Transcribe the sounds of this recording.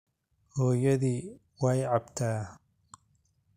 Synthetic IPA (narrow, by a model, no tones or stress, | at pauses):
hɔːjɐðiː | wajʕɑbt̪ʰaː